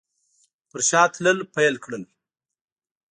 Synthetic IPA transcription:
pəɾʃɑːt̪ʰləlpajəlkɽəl

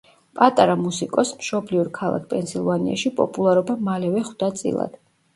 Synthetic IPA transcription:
pʼat̪ʼaɾamusikʼɔsmʃɔbliuɾkʰalˠa̰k̚ʰpʼɛnsilˠvania̰ʃipʼɔ̰pʼulˠaɾɔbamalɛvɛχwd̪at̪sʼḭlˠa̰d̪̥

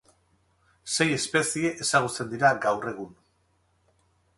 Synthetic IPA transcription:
se̞je̞spe̞sie̞ʔesaɣ̞ut͡se̞nd̪iɾaɡawre̞ɣ̞un

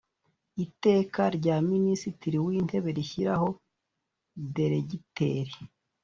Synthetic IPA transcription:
ite̞ːkaɾɟaːminisitiɾiwiːnte̞βe̞ɾiçiɾaho̞ | de̞ɾe̞ɟite̞ːɾe

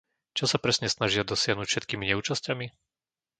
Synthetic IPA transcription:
t͡ʃɔsapɾɛsɲɛsnaʒɪad̪ɔsɪaɦnucfʃɛt̪kiːmiɲɛuːt͡ʃascami

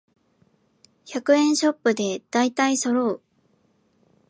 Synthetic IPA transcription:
çakɯ̟ẽ̞ɰ̃ɕo̞pːɯ̟d̪e̞d̪̥ait̪aiso̞ɾo̞ː

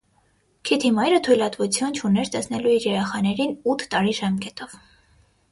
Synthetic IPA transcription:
kʰit̪ʰimɑjɾət̪ʰujlɑt̪vut͡sʰjunt͡ʃʰunɛɾt̪ɛsnɛluiɾjɛɾɛχɑnɛɾinut̪ʰːɑɾiʒɑmkɛt̪ɔv

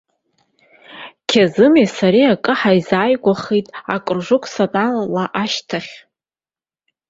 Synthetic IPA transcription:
kʲʰazɨmesaɾiakʼɨħaizaːjɡʷaχijtʼa̰kʼɨrʐʷʊkʷʰʼsatʼanlaʔaʃtʰaχʲ

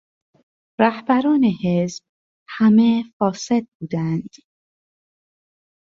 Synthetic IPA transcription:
ɾæhbæɾɒːne̞he̞sb̥̚ | hæmefɒːse̞d̪̚buːd̪ænd̪̥

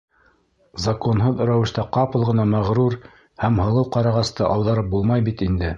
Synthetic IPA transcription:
zɐkonɦɤðɵ̆ɾæwɘ̆ʃt̪æqɑpɤ̆lˠʁɤ̆nɑmæʁɾuɾ | hæmhɤ̆lˠɤwqɑɾɑʁɑst̪ɤʔɑwðɑɾɤp̚bulˠmɑjbit̪ind̪ɘ

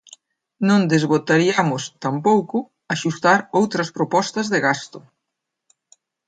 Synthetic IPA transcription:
nõnd̪ezɣot̪aɾiamʊst̪ampowkʊ | aʃust̪aɾowt̪ɾɐspɾopɔst̪ɐzðɪɣast̪ʊ

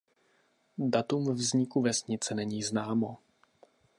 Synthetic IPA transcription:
dat̪umvzɲɪkuvɛsɲɪt͡sɛnɛɲiːznaːmo

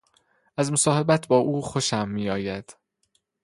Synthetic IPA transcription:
ʔæzmosɒːhe̞bæt̪ʰbɒːʔuːxo̞ʃæmːiːɒːjæd̪̥

